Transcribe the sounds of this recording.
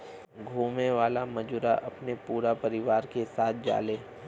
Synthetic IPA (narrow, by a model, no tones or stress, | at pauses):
ɡʱuːmẽʋaːlamɐd͡ʒʊɾaʔɐpnepuːɾapɐɾɪʋaːɾkesaːt̪̚ʰd͡ʒa̰ːlẽː